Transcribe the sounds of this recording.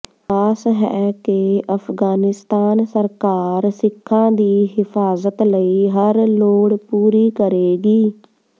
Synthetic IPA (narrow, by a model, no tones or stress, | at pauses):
aːsɦɛ̰ːkeəfʰɡaːnɪst̪aːnsəɾkaːɾsɪkʰːãːd̪iːɦɪfʰaːzət̪ləiːɦəɾloːɽpuːɾiːkəɾeːɡiː